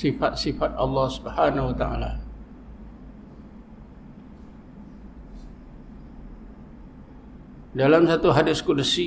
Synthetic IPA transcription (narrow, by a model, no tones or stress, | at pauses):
sifat̪̚sifat̪̚ɑ̰lːɑhsu̥bhanahwat̪aa̰la̰ | dalamsat̪uɦadɪskudasi